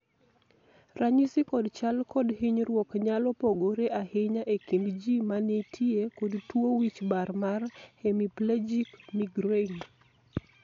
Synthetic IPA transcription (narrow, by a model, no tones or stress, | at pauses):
raɲisɪkɔdt͡ʃalkɔdhiɲɾwɔkɲalɔpoɡoɾeʔahɪɲaʔekindd͡ʒimanetʰiekodtwowit͡ʃbarmarhemipled͡ʒikmiɡɾeŋ